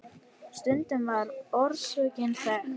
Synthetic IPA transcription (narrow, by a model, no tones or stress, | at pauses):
st̪ʏnt̪ʏmvaɾɔɾsʏːcɪnθɛ